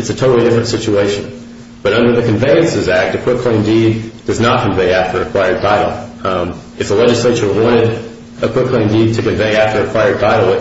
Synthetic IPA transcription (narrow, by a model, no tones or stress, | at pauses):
ɨtsɨtʰoʊɾl̩ˠidɪfɹɨ̃ntsɪt͡ʃueɪʃɨ̃n | b̥ʌɾʌ̃ndə˞ðɨkɨ̃ɱveɪɨ̃nsɨzæk̚tɨkʰw̥ɪkʰl̥ẽɪ̃mdid̚d̥ʌznət̚kʰɨ̃ɱveɪæftʰə˞ɨkʰw̥aɪə˞d̚tʰaɪɾl̩ˠ | ɨfəlɛd͡ʒɨsleɪt͡ʃə˞wɑ̃ɾ̃ɪɾ | ɨkʰw̥ɪkʰl̥ẽɪ̃mdid̚tʰɨkɨ̃ɱveɪæftə˞ɨkʰw̥aɪə˞d̚tʰaɪɾl̩ˠ